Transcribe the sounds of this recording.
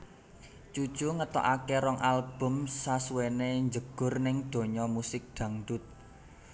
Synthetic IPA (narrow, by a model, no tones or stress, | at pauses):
t͡ʃu̥t͡ʃuŋət̪ɔ̰ʔakeɾɔŋʔalb̥ʊ̤msasuweneɲd͡ʒəɡ̥ʊ̤rnɪŋd̪̥o̤ɲɔmusɪk̚ɖ̪̥ä̤ŋɖ̪ʊt̪̚